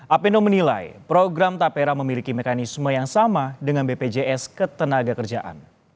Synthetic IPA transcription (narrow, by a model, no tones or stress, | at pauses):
ʔapinomənila̰jpɾoɡɾamt̪apeɾaməmilikimekanisməjaŋsamadəŋanbeped͡ʒeʔɛskət̪ənaɡakərd͡ʒaʔa̰n